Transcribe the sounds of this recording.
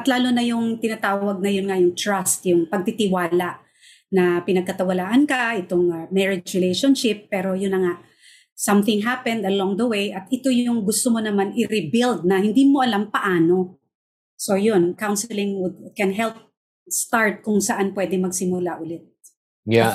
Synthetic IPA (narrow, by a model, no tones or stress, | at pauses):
ʔɐt̪laːlonɐjʊŋt̪ɪnat̪aːwɐɡ̚nɐjʊnŋɐjʊŋt̪ɹast̪jʊŋpɐɡ̚t̪ɪt̪ɪwaːlaʔ | nɐpɪnɐɡ̚kɐt̪ɐwɐlaːʔɐnkɐʔɛt̪oŋmɛɹɪd͡ʒɹɪlejʃonʃɪpːɛːɾo̞jʊnːɐŋaʔ | sɐmθɪŋɦapɛnd̪ɐlɔ̃ŋd̪ɐwejʔɐt̪ɪt̪o̞jʊŋɡʊst̪omonɐmanɪɾɪbɪld̪̚nɐhɪnd̪imoʔɐlampɐʔaːno̞ | sojonkawnsɛlɪŋwʊd̪̚kɛnɦɛlp̚ | st̪aɹt̪̚kʊŋsɐʔanpwɛd̪ɛŋmɐɡsɪmʊlaʔʊlɛt̪̚ | ja